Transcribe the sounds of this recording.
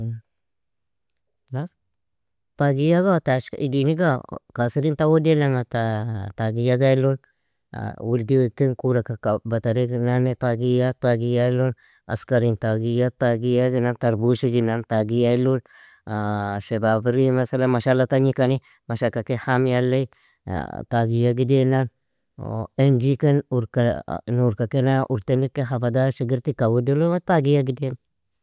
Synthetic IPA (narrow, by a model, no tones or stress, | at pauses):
las | taɡijaɡataʃka̰idiniɡakasiɾintawodelaŋatataɡijaɡailul̰ | wuldiwekinkuɾakakabataɾinanetaɡijataɡijalol | a̰skaɾintaɡijataɡijaɡinantaɾbuʃiɡinantaɡijailul | sebabiɾimasalanmaʃalːataɲikani | maʃakakehamjalːaḭ | taɡijaɡidenan | end͡ʒikenuɾkanuɾkakenaʔuɾtenikeɦafadaʃiɡiɾtikawudilomataɡijaɡidena